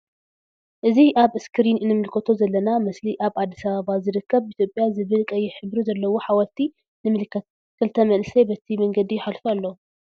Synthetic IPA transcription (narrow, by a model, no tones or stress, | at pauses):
ʔɨziʔaβɨskʰɨɾinɨnːɨmɨlkʰɐt̪ʰo̞zɐlːɐnamɐsliʔaβad̪ːisɐβaβazɨɾɨkʰːɐβit̪ʰjopʼjazɨβɨlkʼɐjɪħɨbɾuzɐlːɐwo̞ħawɐlt̪ʰi | nɨmɨlɨkʰːɐt̪̚ | kʰɨlt̪ʰɐmɐnsʰɐjbɐt̪ʰimɐŋɡɐd̪ijɪħalfalːo